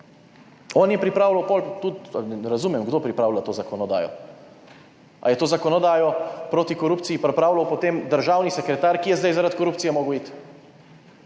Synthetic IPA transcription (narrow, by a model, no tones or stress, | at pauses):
ɔːnjɛpɾipɾaːwlawpɔlt̪ut̪alnɛɾazumjɛmɡd̪oːpɾipɾaːwlat̪oːzakɔnɔd̪a̰ːjɔ̰ | a̰jɛt̪oːzakɔnɔd̪aːjɔpɾoːt̪ikɔɾuːpt̪sijipɾɛpɾaːwlawpot̪eːmd̪əɾʒaːwnisɛkɾɛt̪aːɾkijɛzd̪ajzaɾat̪kɔɾupt̪sijɛmoːɡwit̪